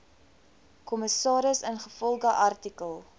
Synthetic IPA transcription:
kɔməsɑːɾəsənχəfɔlˠɡəʔɐrtikəlˠ

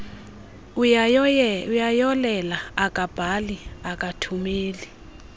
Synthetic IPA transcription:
ujajɔlɛlaakʼab̥ʱaliakʼatʰumeːli

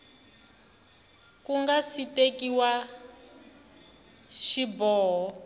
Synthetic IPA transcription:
kuŋɡasitekiwa | ʃibɔːɦɔ

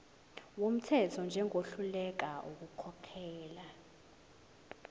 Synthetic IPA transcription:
wom̩tʰɛtʰɔnd͡ʒʱɛŋʱoɬulɛk̬aʔuk̬ukʰɔkʰɛːla

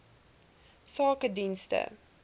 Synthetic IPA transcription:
sɑːkədinstə̰

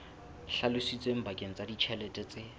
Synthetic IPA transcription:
ɬalʊsit͡sʼweŋ̩bakʼeŋ̩t͡sʼadit͡ʃʰɛlɛtʼɛt͡sʼɪ

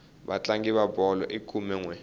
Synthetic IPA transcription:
βa̰t͡ɬaŋɡiβabɔlɔ̰ʔikʰumɛŋwɛ

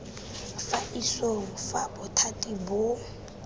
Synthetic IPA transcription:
faʔiswɔfabʊtʰatʼibʊ

